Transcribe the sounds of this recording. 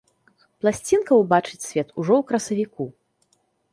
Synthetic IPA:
plˠasʲt͡sʲinkɐwbat͡ʂɨt͡sʲsʲvʲɛt̪ʰuʐɔwkɾɐsɐvʲiku

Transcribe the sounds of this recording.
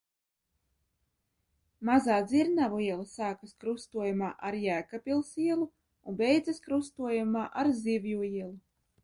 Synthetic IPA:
mazaːd̪ziɾnavuiɛlˠasaːkaskɾust̪uɔjumaːʔaɾjæːkapʲilˠsiɛlˠu | unbɛjd̪zaskɾust̪uɔjumaːʔaɾzivjuiɛlˠu

